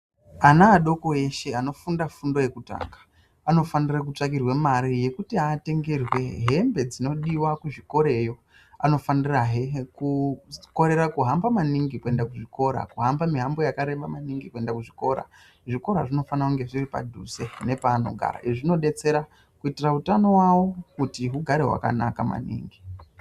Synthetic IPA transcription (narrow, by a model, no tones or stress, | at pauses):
anaːɗo̞ko̞e̞ʃe̞ano̞fundafundo̞je̞kuta̰ːŋɡḁ | ano̞fanirak̬ut͡ʂak̬irwemaɾije̞kutiaːte̞ŋɡe̞rwe̞ɦe̞mbe̞d͡zino̞ɗiwakuʐiko̞ɾe̞jo̞ | ano̞faniraɦekuko̞ɾe̞ɾakuɦambamaniŋɡikue̞ndakuʐiko̞ɾa̰kuɦambamiɦambo̞jakaɾe̞ɓamaniŋɡikue̞ndakuʐiko̞ɾa̰ | ʐiko̞ɾaʐino̞fanakuŋɡe̞ʐiripa̰dʱṵze̞ne̞paːno̞̰ɡʱa̰ɾa̰ʔiʐino̞ɗe̞t͡se̞ɾa | kuitirautano̞wawo̞kutiɦuɡʱaɾe̞ɦwa̰ka̰na̰kama̰nḭːŋɡi